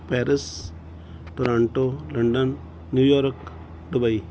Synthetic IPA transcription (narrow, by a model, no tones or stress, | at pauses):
peːɾis | t̪oɾaːɳʈolɐɳɖənː | juːjoːɾk | ɖubɐi